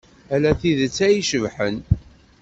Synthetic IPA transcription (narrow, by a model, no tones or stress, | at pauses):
ælæθiðət͡sːæjiʃəvħən